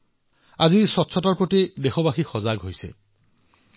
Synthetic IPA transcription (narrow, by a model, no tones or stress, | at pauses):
azisɔtːsʰɔtɔɹpot̪id̪exɔbaxixɔzaɡɦojsḛ